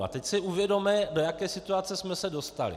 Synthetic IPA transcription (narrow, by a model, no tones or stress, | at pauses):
a̰t̪ɛcsɪʔuvjɛdo̞mɛdo̞jakɛːsɪt̪uat͡sɛsmɛsɛdo̞st̪a̰lɪ̰